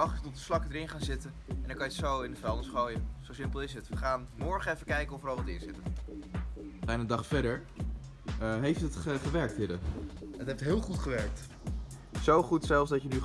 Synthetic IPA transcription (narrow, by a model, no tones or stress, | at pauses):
ɑχtətɔtəslɑkədəɾɪnχaːnzɪtənɛnɪkːɑjətsowɪndəfɛlˠdəsχowjənz̥owsɪmpəlˠɪsɦətʋəχaːnmɔɹχəɛfəkɛjkəɔfərɑlˠʋɑtɪːɹsɪtən | b̥ɛjnədɑχfɛdəɹ | ɦejftətχəχəʋɛɹk̚tɦɪɾəətɦɛp̚tɦɪːlˠχutχəʋɛɹk̚t | zowχutsɛlˠfsdɑtəny